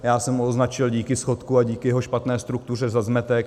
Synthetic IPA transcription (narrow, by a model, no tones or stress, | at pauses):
jaːsɛmoznat͡ʃɪlɟiːkɪsxo̞t̪kuaɟiːkɪjɛɦoʃpat̪nɛːst̪ɾuk̚t̪ur̝ɛzazmɛt̪ɛk